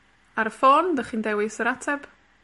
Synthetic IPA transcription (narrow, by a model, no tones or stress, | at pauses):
aɾəfoːndəχindɛwɪsəɾatʰɛb̥